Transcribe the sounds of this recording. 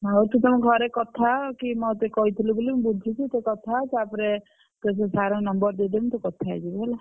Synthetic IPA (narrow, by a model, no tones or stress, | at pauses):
awɾt̪ut̪ɔmɔɡʱɔɾekɔt̪ʰakimɔt̪ekɔɦit̪ʰilubulimbud̪ʱt͡ʃʰit͡ʃʰit̪ekɔt̪ʰasapɾe | t̪es̬esaɾɔ̃nɔmbɔɾd̪ed̪emt̪ɔkɔt̪ʰa̰d͡ʒibɛla